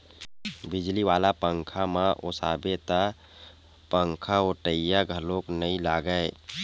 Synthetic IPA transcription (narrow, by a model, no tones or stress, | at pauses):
bɪd͡ʒliʋaːlapə̃ŋkʰamãʔo̰saːbet̪a | pəŋkʰaoʈəjːaɡʱəloːknəĩlaːɡəe